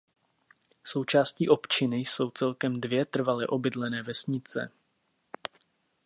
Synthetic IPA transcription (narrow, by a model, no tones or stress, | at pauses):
so̞wt͡ʃaːsciːʔo̞pt͡ʃɪnɪjso̞wt͡sɛlkɛmdvjɛt̪r̩valɪʔo̞bɪdlɛnɛːvɛsɲɪt͡sɛ̰